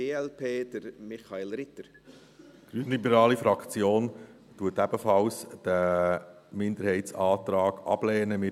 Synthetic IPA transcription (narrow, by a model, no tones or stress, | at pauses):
eːɛlpʰeːd̪̥əɾmɪχɑelɾɪt̪əɾ | ɡ̥ɾyːnlibɛɾɑːlifɾɑkt͡sjoːn | tuːətæb̥əfɑlsd̪̥æ | mɪnd̪əɾhɛɪtsɑːt̪ɾɑːɡɑ̰b̥lɛːnəmɪ